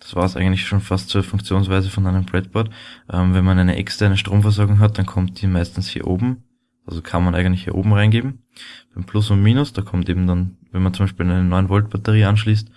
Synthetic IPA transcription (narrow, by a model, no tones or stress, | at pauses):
d̥ḁsv̥aːɐsʔæ̰ɪɡəntlɪçʃoːnfastt͡suːɐfʊŋkt͡sjoːnsv̥æɪzəfɔnæɪnəmbʁɛt̚b̥ɔɐtʔɛmvɛnmanæɪnə̰ʔɛ̰kstʰɛɐnəʃtʁ̥oːmfɛɐɔɐɡʊŋɦat̚d̥ankʰɔmt̚d̥iːmæɪstn̩shḭːɐʔoːbm̩ | ʔalzokʰanmanʔæɪɡəntlɪçhiːɐʔo̰ːbm̩ʁaɪnɡeːbm̩ | b̥aɪmpʰlʊsʊntmiːnʊsd̥aːkʰɔmteːbm̩danvɛnmant͡sʊmbæɪʃpiːlæɪnənɔʏənvɔlt̚b̥atəʁiːanʃliːst